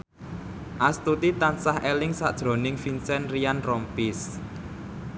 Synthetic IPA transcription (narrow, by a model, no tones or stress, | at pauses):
ʔast̪ut̪it̪ansahʔelɪŋsa̰ʔd̥ʒ̥ɾo̤nɪŋfinsɛnrijanrɔmpis